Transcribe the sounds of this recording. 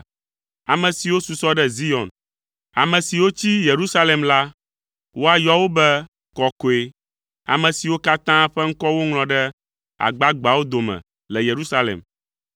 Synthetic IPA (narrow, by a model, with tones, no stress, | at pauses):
a˨mɛ̃˨si˨wo˦su˨sɔ˦ɖɛ˦zi˦ɔ̃˨n | a̰˨mɛ̃˨si˨wo˦t͡ɕi˦je˨ɾu˦sa˦lɛ˨mla˦ | wo˦a˨jɔ˦wo˦bɛ˦ | kɔ˦ko˨e˦ | a̰˨mɛ̃˨si˨wo˦ka˦t̪ã˦ɸɛ˦ŋ̩˦kɔ˦wo˦ŋl̃ɔ̃˨ɖɛ˦ | a̰˨ɡ͡ba˦ɡ͡ba˨wo˦d̪o˨mɛ̰̃˨ | lɛ˨je˨ɾu˦sa˦lɛ̰˨m